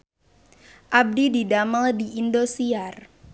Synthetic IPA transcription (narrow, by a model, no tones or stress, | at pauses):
ʔab̚dididamaldiindosiar